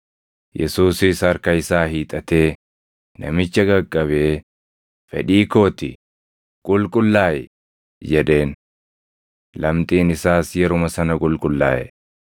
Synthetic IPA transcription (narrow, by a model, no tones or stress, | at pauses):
jɛ̰suːsɪsɐɾkɐjɪsaːɦiːt̪ʼɐt̪e̞ː | nɐ̰mɪt͡ʃːɐɡɐkʼːɐbeː | fɛ̰ᶑiːko̞ːt̪ɪ̰ | kʼʊlkʼʊlːaːjɛ | d͡ʒɛᶑe̞ːn | lɐmt̪ʼiːnɪsaːsjɛɾʊmɐsɐnɐkʼʊlkʼʊlːa̰ːʔɛ̰